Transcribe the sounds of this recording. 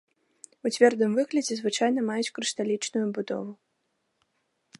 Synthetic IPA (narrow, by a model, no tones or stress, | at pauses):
ut͡sʲvʲɛrd̪ɨmvɨɣlʲɐd͡zʲɛzvɨt͡ʂajnɐmajut͡sʲkɾɨʂt̪alʲit͡ʂnujubud̪ɔ̰vu